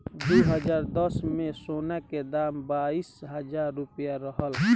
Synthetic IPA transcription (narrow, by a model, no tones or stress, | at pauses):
d̪uːɦəd͡ʒaːɾd̪əsmẽsonaked̪aːmbaːisɦəd͡ʒaːɾːupjaɾəɦəl